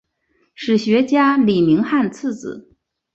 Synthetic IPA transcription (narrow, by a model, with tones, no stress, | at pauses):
ʂɻ̩˨˩ɕɥɛ˧˥t͡ɕja˥li˨˩mi˧˥ŋxa˥˧nt͡sʰɹ̩˥˩t͡sɹ̩˨˩˦